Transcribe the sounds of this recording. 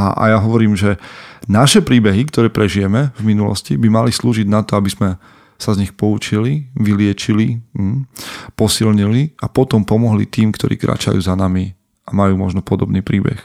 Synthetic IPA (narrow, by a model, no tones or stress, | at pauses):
aʔa̰jaɦɔʋɔɾiːmʒɛnaʃɛpɾiːbɛɦikt̪ɔɾɛːpɾɛʒijɛmɛvminulɔ̰scibimalisluːʒiɟnat̪ɔabizmɛ | sazɲixpɔut͡ʃiliʋilɪɛt͡ʃili | pɔsilɲiliapɔt̪ɔmpɔmɔɦlḭt̪iːmkt̪ɔɾʔḭːkɾa̰ːt͡ʃa̰jṵːzanami | ʔamajuːmɔʒnɔpɔd̪ɔbniːpɾiːbɛ̰x